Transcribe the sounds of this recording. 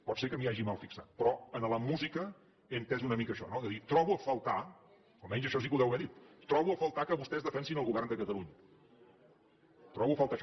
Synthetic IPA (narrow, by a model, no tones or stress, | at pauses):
pɔt̪sekəmiaʒimalˠfiksa̰t̪̚pɾɔənələmuzikə | ent̪ɛzunəmikəːʃɔ̰nozəðit̪ɾɔβuəfəlˠt̪a | olˠmɛɲzəʃɔsikuðɛwβɛðit̪t̪ɾɔβuəfəlˠt̪akəβust̪ɛzðəfɛnsinəlˠɣuβɛrnd̪əkət̪əluɲə | t̪ɾɔβuəfalˠt̪aʃ